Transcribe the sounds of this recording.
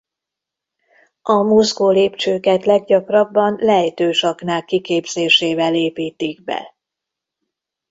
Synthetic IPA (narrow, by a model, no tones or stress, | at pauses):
ɒmuzɡoːleːpt͡ʃøːkɛt̪lɛɡɟɒkrɒbːɒnlɛɦt̪øːʃɒknaːkːikeːbz̥eːʃeːvɛleːpiːt̪iɡbɛ̰